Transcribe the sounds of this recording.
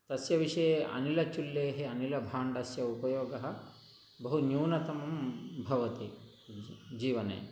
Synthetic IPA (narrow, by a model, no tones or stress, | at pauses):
t̪ɐsjɐʋiʂɐjeʔɐ̰nilɐt͡ʃulːeːɦeɐnilɐbʱaːɳɖɐsjɐupɐjoːɡɐɦɐ̆ | bɐɦunjuːnɐt̪ɐmɐmbʱɐʋɐt̪i | d͡ʒiːʋɐnḛː